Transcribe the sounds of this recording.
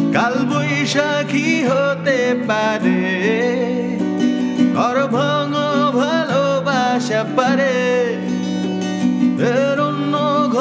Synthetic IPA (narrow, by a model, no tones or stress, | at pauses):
kalbojʃa | kʰiɦot̪epaɾe | ɡɔɾbʱɔŋobʱalobaʃapaɾe | eɾonːoɡʱ